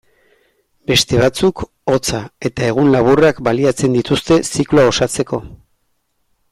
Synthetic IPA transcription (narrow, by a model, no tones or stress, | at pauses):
be̞st̪e̞βat͡suk | o̞t͡sae̞t̪ae̞ɣ̞unlaβurakbaliat͡se̞nd̪it̪ust̪e̞sikloao̞sat͡se̞ko̞